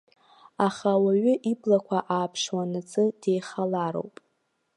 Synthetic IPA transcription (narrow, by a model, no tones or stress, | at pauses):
aχawaɥʏʔiblakʷʰaʔaːpʰʂwanɨt͡sʼɨd̥ejχalaɾo̰wpʼ